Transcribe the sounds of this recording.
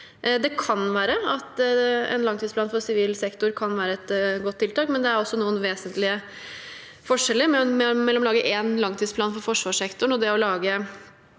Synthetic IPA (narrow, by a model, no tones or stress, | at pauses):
d̪ɛkʰɑnʋæːɾəɑt̪ɛ̰nlɑŋt̪ʰid̪splɑːnfɔɾsɪʋiːlsɛkt̪ʊɾkʰɑnʋæːɾəɛt̪ɡɔt̪ʰːɪlt̪ɑːkmɛnd̪ɛæɾɔsːɔnuːənʋeːsənt̪lɪə | fɔʂɛlːəɾmmɛmɛlːɔmlɑːɡəʔɛːnlɑŋt̪ʰiːspʰlɑːnfɔɾfɔʂʋɑːʂɛkt̪ʊɳɔd̪ɛɔlɑːɡə